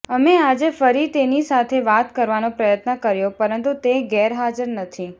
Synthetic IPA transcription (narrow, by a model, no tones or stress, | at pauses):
əmead͡ʒefəɾit̪enisat̪ʰeʋat̪kəɾʋanõpɾəjət̪nəkəɾjõpəɾənt̪ut̪eɡɛɾɦad͡ʒəɾnət̪ʰi